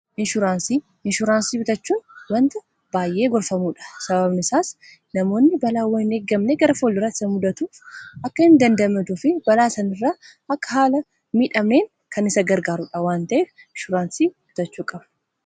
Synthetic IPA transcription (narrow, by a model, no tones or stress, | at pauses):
ʔɪnʃʊɾaːnsiː | ɪnʃʊɾaːnsiːbɪt̪ɐt͡ʃːuːnwɐnt̪ɐ | b̥aːjʔe̞ːɡɔɾfɐmuːᶑɐ̥sɐbɐbnɪsaːs | nɐmo̞ːnːɪbɐlaːwɐɪne̞ːɡɐmnɛɡɐɾɐfoːlːɪɾːɐt̪ɪsɐmʊd̪ɐt̪uːfʔɐkːɐhɪnd̪ɐnd̪ɐmɐd̪uːfɪbɐlaːsɐnɪrːaː | ɐkːɐɦaːlɐ | miːᶑɐmneːŋ | kʰɐnɪsɐɡɐɾɡaːɾʊᶑɐwaːnt̪ɐʔeːf | ɪnʃʊɾaːnsiːb̥ɪt̪ɐt͡ʃːuːkʼɐbɐ̥